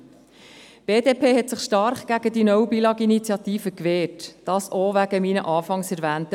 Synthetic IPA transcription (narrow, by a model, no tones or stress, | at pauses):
b̥eːdeːpʰeːhɛtsɪχʃtɑɾχɡ̥æɡ̥ədinɔwbilɑɡinit͡sjɑt̪iːfəkʋeːɾtd̥ɑːsoʋæɡ̥əmiːnəʔɑːfɑŋsæɾvæːntə